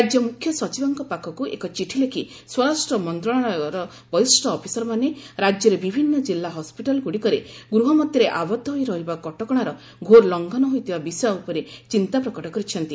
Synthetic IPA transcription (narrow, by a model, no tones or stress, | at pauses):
ad͡ʒjɔmukʰːjɔswɔt͡ʃibɔŋkɔpakʰɔkuʔḛkɔt͡ʃiʈʰilekʰi | swɔɾasʈɾɔmɔnt̪ɾɔɽ̃ɔ̃ɾɔ | bɔjsʈɔːpʰisɔɾɔmaneɾad͡ʒjɔɾebibʱinːɔd͡ʒilːaɦɔspiʈɔlɔɡuɽikɔɾeɡɾuɦɔmɔd̪jɔɾeʔabɔd̪ʱːɔɦojɾɔɦibakɔʈɔkɔɽ̃aɾɔ | ɡʱoɾlɔŋɡʱɔnɔɦojt̪ʰibabisɔaupɔɾet͡ʃint̪apɾɔkɔʈɔkɔɾit͡ʃʰɔnt̪i